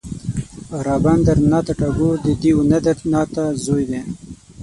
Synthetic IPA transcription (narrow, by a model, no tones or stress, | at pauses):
ɾɑːband̪əɾnɑːt̪aʈaɡod̪əd̪iunad̪əɾnɑːt̪azojd̪e